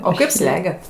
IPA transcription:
oː ˈkɐɪp ˈsʲlʲæːɡʲɛt

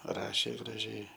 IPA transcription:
ˈrɑːʃʲeː ɡrɐˈʒʲɛɪ

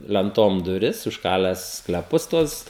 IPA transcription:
lʲɛnˈtoːm dʊˈrʲɪs ʊʃˈkɑːlʲæːs sklʲɛˈpʊs ˈtuɔs

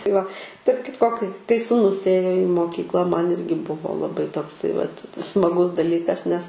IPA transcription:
tɐɪ ʋɐ tɐrp ˈkʲɪtkoː kɐɪ kɐɪ suːˈnʊs ˈeːjoː ɪ moːˈkʲiːklˠɐ mɐn ˈɪrʲɡʲɪ ˈbʊʋoː lˠɐˈbɐɪ toːkˈsɐɪ ʋɐt smɐˈɡʊs dɐˈlʲiːkɐs nʲɛs

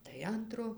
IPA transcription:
tɐɪ ˈɐntroː

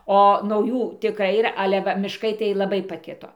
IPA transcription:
oː nɐʊˈjuː tʲɪˈkrɐɪ iːˈrɐ ˈɑːlʲɛ ˈʋɐ mʲɪʃˈkɐɪ tɐɪ lˠɐˈbɐɪ pɐˈkʲɪtoː

